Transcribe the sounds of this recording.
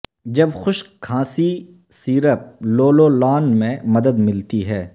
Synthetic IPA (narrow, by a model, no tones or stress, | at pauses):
d͡ʒɐbxʊʃkʰãːsi | siːɾəp̚loːlolɔːnmẽmɐd̪əd̪mɪlt̪iɦɛː